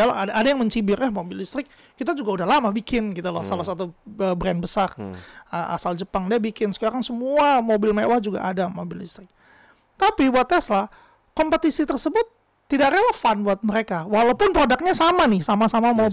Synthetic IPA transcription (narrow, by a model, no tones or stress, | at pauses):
ala̰adaʔadajaŋməɲt͡ʃibɪrjahmobɪlist̪ɾɪkːit̪ad͡ʒuɡaudahlamabikɪnkit̪ulahsalahsat̪uəbɾɛnbəsarəʔa̰sald͡ʒəpaŋdiabikɪnsə̥kaɾaŋsəmuamobɪlmewahd͡ʒuɡa̰ʔadamobɪlḭst̪ɾɪk̚ | t̪apibuat̪ɛslah | kɔmpət̪isit̪ərsəbʊt̪ː | idakɾewafanbuat̪̚məɾekawalawpʊnpɾodak̚ɲasamanɪhsamasamamo